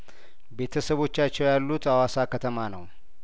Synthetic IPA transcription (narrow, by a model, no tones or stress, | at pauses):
be̞t̪ʰəsəβo̞t͡ʃːat͡ʃːɛwjalːut̪awasakət̪ʰəmanəw